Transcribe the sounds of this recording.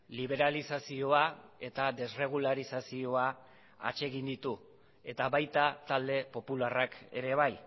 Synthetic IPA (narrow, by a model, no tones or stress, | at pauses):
liβ̞e̞ɾalisasio̞ae̞t̪ad̪e̞sre̞ɣ̞ulaɾisasio̞a | a̰t͡ʃe̞ɣind̪it̪u | e̞t̪aβajt̪at̪ald̪e̞po̞pularake̞̰ɾe̞β̞aj